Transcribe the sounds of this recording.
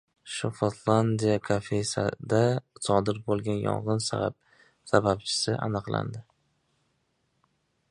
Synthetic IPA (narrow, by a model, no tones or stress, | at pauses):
ʃofot̪ʰlˠand̪ijakʰafejsa̰d̪asɒd̪ɪɾbolˠɡʲanjɒ̰ɴʁɨnsa | sabap̚t͡ʃʰɪ̥sɪʔa̰nɨqlˠa̰nd̪ɪ